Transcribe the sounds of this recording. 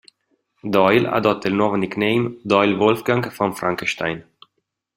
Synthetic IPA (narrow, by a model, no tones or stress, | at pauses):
d̪ɔjla̰d̪ɔtt̪ːəilnɔvəniknejmd̪ɔjlvɔlfɡaŋɡfɔnfɾʔaŋkəʃt̪ajn